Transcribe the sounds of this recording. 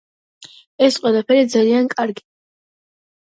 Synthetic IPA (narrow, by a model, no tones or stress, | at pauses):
ɛsqʼwɛlˠapʰɛɾid̪zaliankʼaɾɡi̥